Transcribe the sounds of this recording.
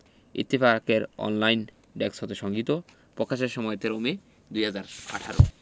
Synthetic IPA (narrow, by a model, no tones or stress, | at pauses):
ḭt̪ːifakeɾɔ̰nlajn | ɖɛkshɔt̪eʃɔŋɡit̪o | pokʰːaʃeɾʃɔmɔet̪eɾomi | d̪ujɦad͡ʑaɾa̰ʈʰaɾo̰